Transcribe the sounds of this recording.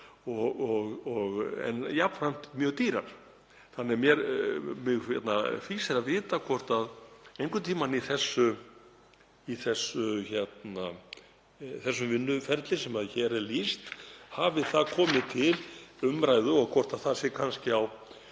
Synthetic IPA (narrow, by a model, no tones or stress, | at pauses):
ɔɣɔɣɔɣɛ̰njapfɾajm̥t̪mjœːɣt̪iːɾa̰ɾ̥ | θanːɛmjɛɾmɪɣɛt̪nafiːsɪɾaðvɪːt̪akʰvɔr̥t̪aðejŋkʏmt̪ʰiːmaniθɛsːʏ | iθɛsːʏçɛt̪na | θɛsːʏmvɪnːʏfɛɾt̪lɪsɛmaðçɛɾɛɾlist̪havɪθaðkʰɔːmɪt̪ʰɪlʏmɾajðʏɔɣkʰɔr̥t̪aðθasjɛkʰanscɪaw